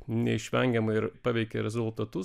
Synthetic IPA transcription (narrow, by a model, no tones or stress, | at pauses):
nʲɛ̰ɪʃʲʋʲɛŋʲɡʲɛmɐɪɾpɑːʋʲɛɪkʲɛ̰ɾʲɛzʊlˠt̪ɐt̪ʊ